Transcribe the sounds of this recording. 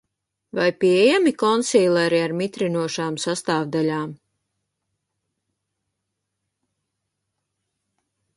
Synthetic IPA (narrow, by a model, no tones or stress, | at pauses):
vajpiɛjamikɔnsiːlˠɛɾiaɾmit̪ɾinuɔʃaːmsast̪aːvd̪alaːm